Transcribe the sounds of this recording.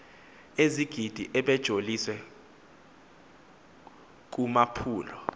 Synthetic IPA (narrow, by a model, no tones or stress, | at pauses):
eziɡ̥ʱid̥ʱiʔɛɓɛd̥ʒ̥ʱoliswɛ | k̬umapʰuːlɔ